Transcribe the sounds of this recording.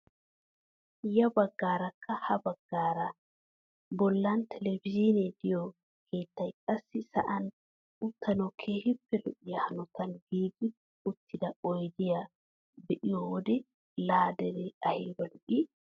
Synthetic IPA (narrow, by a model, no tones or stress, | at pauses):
jɐbɐɡːaːɾɐkʰːɐhɐbɐɡːaːɾɐ | bɔlːant̪ʰɛlɛbd͡ʒinɛd̪ɪjɔ | kʰeːt̪ːɐjkʼɐsːɪsɐ̰ʔɐn | ʊt̪ʰːɐnɔkʰeːhɪpːɛlʊ̰ʔɪjahɐnɔt̪ɐnɡiːɡi | ʊt̪ʰːɪd̪ɐʔɔjd̪ɪjɐ | bɛʔɪjɔwɔd̪ɛ | laːd̪ɛɾɛɐhɪlbɐlʊʔi